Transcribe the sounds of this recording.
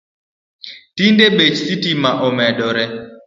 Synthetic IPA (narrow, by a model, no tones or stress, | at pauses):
tindeɓet͡ʃsitimaʔɔmɛɗɔɾɛ